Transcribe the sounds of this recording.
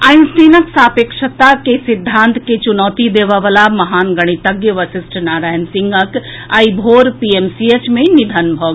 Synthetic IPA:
ajnsʈinəksapekʃət̪akesid̪ʱːãːnt̪ket͡ʃunɔːt̪id̪eʋəʋəlamɐɦaːnɡəɽ̃it̪əɡjəʋəsisʈʰnaɾaːjnsiŋɡək | aibʱoɾpiemsiet͡ʃmenid̪ʱənbʱɔɡ

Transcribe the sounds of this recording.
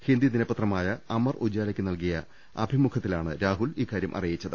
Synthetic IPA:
hind̪ininɐpːɐt̪rɐmaːjɐɐmɐrud͡ʑaːlɐkʲːɨnɐlkijɐ | ɐbʱimukʰɐt̪ːilaːɳɨɾaːɦuliːkːaːɾjɐmʔɐ̰rijit͡ɕːɐðɨ

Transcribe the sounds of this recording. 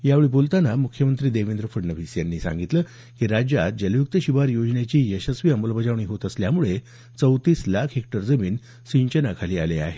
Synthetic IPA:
jaʋeɭipolt̪anamukʰjəmənt̪ɾiːd̪eʋind̪ɾəfəɽnəʋʱiːsjanːiːsã̰ŋɡit̪ləː | kiɾad͡ʑjat̪̚d͡ʑəljuk̚t̪əɕiʋaɾjod͡ʑɳjat͡ɕiːjəɕəsʋiːəmolbəd͡ʑaʋɳ̃iːɦot̪əsljamuɭe | t͡səwt̪iːslakʰɦekʈəɾd͡zəmiːn | siɲt͡ɕənakʰaliːalea̰ɦe

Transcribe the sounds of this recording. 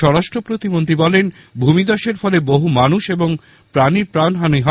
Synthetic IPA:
ɔɾaʃʈɾopɾot̪imont̪ɾibɔlen | bʱumid̪ɔʃeɾfɔleboɦumanuʃeboŋ | pɾaniɾpɾanɦanijɦa

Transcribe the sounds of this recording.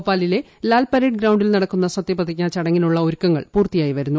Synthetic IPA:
pːaːlile̞ | laːlpɐɾeːɖ̚ɡɾɐwɳɖilnɐɽɐkːunːɐsɐt̪jɐpɐt̪ʰːikʲːaːt͡ɕɐɽɐŋːinuɭːɐoɾukːɐŋːɐ̰ɭpuːrt̪ijaːjiʋɐɾunːu

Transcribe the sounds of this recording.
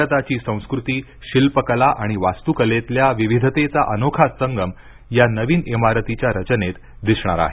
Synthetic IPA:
ət̪at͡ɕiːsə̃w̃skɾut̪iː | ɕilpəkəlaʔaɽ̃iʋast̪ukəlet̪ljaʋiʋid̪ʱət̪et͡saʔənokʰassəŋɡəm | janəʋiːnemaɾət̪it͡ɕjaɾət͡ɕənet̪ | d̪iɕɳ̃a̰ɾa̰ɦe

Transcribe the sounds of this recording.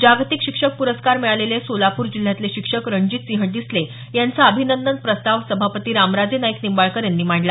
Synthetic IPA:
d͡ʑaɡt̪ikɕikʂək̚puɾəskaɾmɛɭalelesolapuːɾd͡ʑil̤ːjat̪leɕikʂəkɾəɳd͡ʑiːt̪sĩɦəʈ̚d̪isle | jant͡saəbʱinənd̪ən̚pɾəst̪aʋsəbʱapət̪iːɾamɾad͡zenaiknimbaɭkəɾjanːiːm̤aɳla

